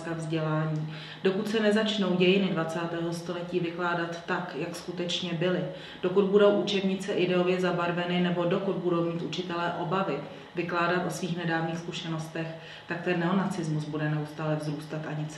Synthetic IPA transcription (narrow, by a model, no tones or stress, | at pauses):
kavzɟɛlaːɲiː | d̥o̞kut̪sɛnɛzat͡ʃno̞wɟɛjɪnɪdvat͡saːt̪ɛːɦo̞st̪o̞lɛciːvɪklaːdat̪ːakjakskut̪ɛt͡ʃɲɛbɪlɪ | d̥o̞kud̪̚budo̞wʔut͡ʃɛbɲɪt͡sɛʔɪdɛo̞vjɛzabaɾvɛnɪnɛbo̞do̞kud̪̚budo̞wmiːt̪ʔut͡ʃɪt̪ɛlɛːʔo̞bavɪ | vɪklaːdat̪ʔo̞sviːxnɛdaːvniːxskuʃɛno̞st̪ɛx | t̪ak̚t̪ɛnːɛonat͡sɪzmusbudɛnɛust̪aːlɛvzɾuːst̪at̪ʔaɲɪt͡s